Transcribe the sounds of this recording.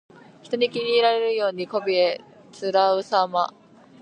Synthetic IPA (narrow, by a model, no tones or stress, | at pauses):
çi̥t̪o̞ɲ̟ikʲiɲʲiːɾaɾe̞ɾɯ̟jo̞ːɲ̟iko̞bʲie̞ | t͡sɨɾaɯ̟sama